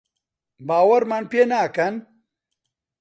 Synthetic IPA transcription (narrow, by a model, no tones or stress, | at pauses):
baːwɐɾmaːnpeːnaːkɐn